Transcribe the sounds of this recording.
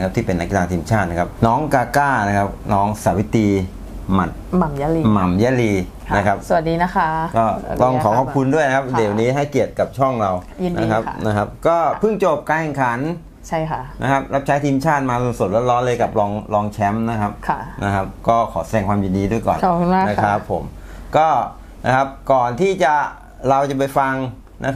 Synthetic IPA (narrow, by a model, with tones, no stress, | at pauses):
kʰa˦˥t̪ʰiː˥˩pe˧nːa˦˥kːi˧˩laː˧t̪ʰiː˧mt͡ɕʰaː˥˩t̪̚na˦˥kʰa˦˥p̚nɔː˦˥ŋkaː˧kaː˥˩na˦˥kʰa˦˥p̚nɔː˦˥ŋsaː˩˦wi˦˥t̪iː˧ | ma˨˩t̪̚m˨˩ma˦˥i˧ma˨˩mjaː˦˥liː˧ | na˦˥kʰa˦˥p̚sa˨˩a˨˩t̪̚diː˧na˦˥kʰa˦˥˩kɔː˥˩t̪ɔ˧˩ŋkʰɔː˩˦k̚ʰːkʰu˧ndu˥˩əna˦kʰa˦˥p̚de˨˩wniː˦˥ɦa˥˩jki˨˩ət̪̚ka˨˩p̚t͡ɕʰɔ˥˩ŋɾa˧wna˦˧kʰa˦˥pna˦˥kʰa˦˥p̚kɔː˥˩pʰɯ˥˩ŋt͡ɕoː˨˩p̚kaː˧nkʰɛ˨˩ŋkʰa˩˦n | t͡ɕʰa˥˩jʰa˦˩nʔa̰˦˥kʰa˦˥p̚ɾa˦˥p̚t͡ɕʰa˦˥jt̪ʰiː˧mt͡ɕʰaː˥˩t̪̚maː˧so˨˧˩nso˨˩t̪̚ɾu˥˩t̪̚lɔː˦˥nlɤː˧jka˨˩p̚lɔː˧ŋlɔː˧ŋt͡ɕʰɛ˦˥mna˦˥kʰa˦˥p̚ʰna˦˥kʰa˦˥p̚kɔː˥˩kʰɔː˩˦sa˧ɛː˧˩ŋkʰwaː˧mji˨˩ndiː˧˦du˥˩əjkɔ̰ː˨˩n˨˩kʰu˧a˥na˦˥kʰa˦˥pʰːo̰˩˦mkɔː˥˩ | na˦˥kʰa˦˥p̚kɔː˨˩nt̪ʰiː˥˩t͡ɕa˨˩ | ɾa˧wt͡ɕa˨˩pa˧jfa˧ŋ | nʔa̰˦˥kʰ